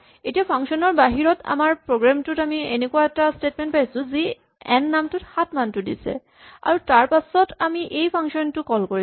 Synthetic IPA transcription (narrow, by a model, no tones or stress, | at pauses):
etiapʰaŋksɔnɔɹbaɦiɹɔtʰa̰maɹpɹoɡɹamtutamienekuaɛtastetmɛ̃ntpajsʊ̃zi | ɛnːamtʊthatmantʊdḭsɛ̰ | a̰ɹutaɹpasɔtamiʔejpʰaŋsɔntʊkɔlkoɹi